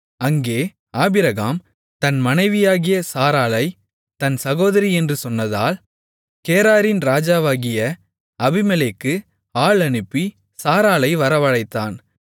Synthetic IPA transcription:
ɐŋɡeː | aːbɪɾɐɣaːm | t̪ɐnmɐnɐɪʋɪjaːɣɪjɐsaːɾaːlɐɪ | t̪ɐnsɐɣoːðɐɾiɛndrɯsɔnːɐðaːl | keːɾaːɾɪnɾaːd͡ʒaːʋaːɣɪjɐ | ɐbɪmɐleːkːɯ | aːɭɐnɯpːi | saːɾaːlɐɪʋɐɾɐʋɐɻɐɪt̪ːaːn

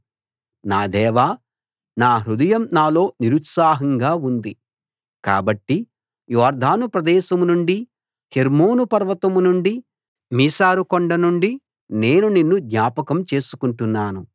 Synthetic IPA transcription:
naːd̪ɛːʋaː | naːɦɾud̪ɐjɐmnaːlo̞ːniɾut̪saːɦɐŋɡaːund̪i | ka̰ːbɐʈːi | jɔːɾd̪ʱaːnupɾɐd̪ɛːʃɐmunuɳɖi | heɾmo̞ːnupɐɾʋɐt̪ɐmunuɳɖi | miːsaːɾukɔɳɖɐnuɳɖi | ne̞ːnuninːud̪ɲaːpɐkɐmt͡ʃe̞ːsu̥kuɳʈunːaːnu

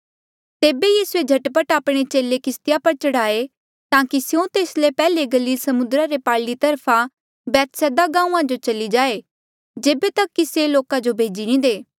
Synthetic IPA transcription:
t̪eːbejiːsued͡ʒʱɐʈpəʈaːpɽ̃et͡ʃeːlekɪst̪ɪjapɐɾt͡ʃɐɽaːe | t̪ãːkisjõt̪eːslepɛːleɡɐliːlsɐmʊnd̪ɾaɾepaːɭlit̪ɐɾpʰa | bɛːt̪sɛːd̪aɡãːũãd͡ʒot͡ʃɐlid͡ʒaːe | d͡ʒeːbet̪ɐkːiseloːkad͡ʒobʱeːd͡ʒiñĩd̪eː

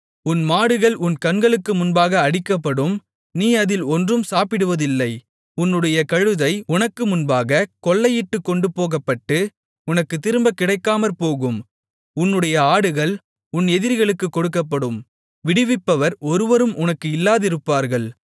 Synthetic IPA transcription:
ʊnmaːɽɯɣɐɭʊnkɐnɡɐɭɯkːɯmʊnbaːɣɐːɽɪkːɐpːɐɽɯm | niːɐðɪlɔndrɯmsaːpɪɽɯʋɐðɪlːɐɪ | ʊnːɯɽɐjɐkɐɻɯðɐɪʊnɐkːɯmʊnbaːɣɐkɔɭːɐjɪʈːɯkːɔɳɖɯpoːɣɐpːɐʈːɯ | ʊnɐkːɯt̪ːɪɾɯmbɐkːɪɽɐɪkːaːmɐlpoːɣɯm | ʊnːɯɽɐjɐaːɽɯɣɐɭ | ʊnɛðɪɾɣɐɭɯkːɯkːɔɽɯkːɐp̬ːɐɽɯm | ʋɪɽɪʋɪpːɐʋɐɾɔɾɯʋɐɾɯmʊnɐkːɯɪlːaːðɪɾɯpːaːɾɣɐɭ

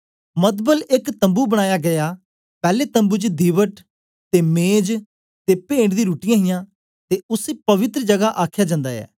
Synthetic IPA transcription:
mət̪bəlɪkt̪ə̃mbuːbəɽ̃aːjaːɡəjaː | pɛːleːt̪ə̃mbuːt͡ʃd̪iːʋəʈ | t̪eːmẽːd͡ʒ | t̪eːpẽːɳɽd̪ĩːɾuːʈijãːɦɪjãː | t̪eːʊseːpəʋɪt̪ɾəd͡ʒəɡaʔaːkʰjaːd͡ʒãːnd̪aːɛ̰ː

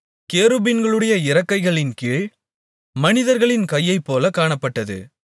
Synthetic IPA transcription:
keːɾɯbɪnɡɐɭɯɽɐjɐɪɾɐkːɐɪɣɐɭɪnkiːɭ | mɐnɪðɐɾɣɐɭɪnkɐjːɐɪpːoːlɐkaːɳɐpːɐʈːɐðɯ̰

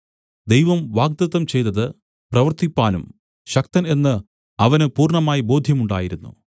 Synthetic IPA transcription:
d̪ejʋɐmʋaːɡ̚d̪ɐt̪ːɐmt͡ɕe̞jt̪ɐðɨ | prɐʋɐrt̪ipːaːnum | ɕɐk̚t̪ɐne̞nːɨ | ɐʋɐnɨpuːrɳɐmaːjibo̞ːd̪ʱjɐmuɳɖa̰ːjiɾunːṵ

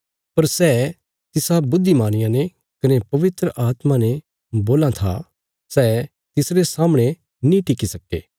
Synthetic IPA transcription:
pɐɾsɛː | t̪ɪsabʊd̪ʱːimaːɽ̃ɪjãne | kɐnepɐʋɪt̪ɾəʔaːt̪mane | boːlat̪ʰa̰ | sɛː | t̪ɪsɾesaːməɽ̃e | nĩʈɪkisɐkḛː

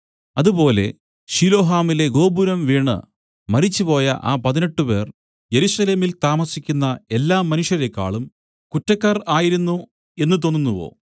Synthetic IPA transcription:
ɐðupo̞ːle̞̰ | ɕilo̞ːɦaːmile̞ɡo̞ːbuɾɐmʋiːɳːɨ̰ | mɐɾit͡ɕːupo̞ːjɐʔa̰ːpɐðine̞ʈːupe̞ːr | je̞ɾusɐle̞ːmilt̪aːmɐsikʲːunːɐe̞lːaːmːɐnuʂjɐɾekːa̰ːɭum | kutːɐkːɐraːjiɾunːu | e̞nːɨt̪̬o̞nːunːuʋo̞̰ː

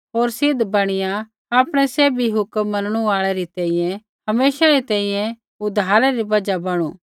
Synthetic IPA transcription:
ɦoːɾsɪd̪bɐɽ̃ɪja | aːpɽ̃ɛseːbʱiɦʊkmːɐnɽ̃uaːɭɛɾit̪ɛ̃ːĩjɛ̃ | hɐmeːʃaɾit̪ɛ̃ːĩjɛ̃ | ʊd̪ʱaːɾɛɾibɐd͡ʒabɐɽ̃ṵ̃ː

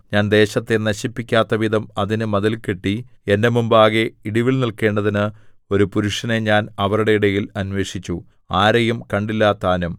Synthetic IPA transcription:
ɲaːnd̪e̞ːɕɐt̪ːe̞nɐɕipːikʲːaːt̪ːɐʋiðɐmɐðinɨmɐðɐlke̞ʈːie̞nde̞mumbaːɣe̞iɽiʋilnilke̞ːɳɖɐðinɨ | o̞ɾupuɾuʂɐneɲaːnɐʋɐruɽeiɽɐjilɐnwe̞ːʂit͡ɕːu | aːɾɐjumkɐɳɖilːaːt̪ːaːnɐm

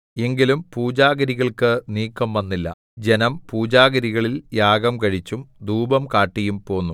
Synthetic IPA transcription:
e̞ŋɡilumpuːd͡ʑaːɡɐɾiɣɐɭkɨniːkːɐmʋɐnːilːɐ̰ | d͡ʑe̞nɐmpuːd͡ʑaːɡɐɾiɣɐɭiljaːɡɐmkɐɻit͡ɕːumd̪uːbɐmkaːʈːijumpo̞ːnːu

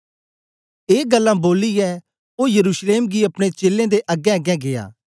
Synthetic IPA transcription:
eːɡəlːãboːlijɛ | oːjɐɾuːʃleːmɡiɐpɽ̃et͡ʃeːlːẽd̪eʔɐɡɛ̃ɐɡɛ̃ɡeja̰ː

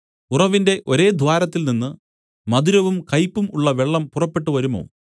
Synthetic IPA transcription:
urɐʋinde̞ʔo̞ɾe̞ːd̪ʱʋaːɾɐt̪ːilninːɨ | mɐd̪uɾɐʋumkɐjpːumuɭːɐʋe̞ɭːɐmpurɐpːe̞ʈːuʋɐɾumo̞̰ː

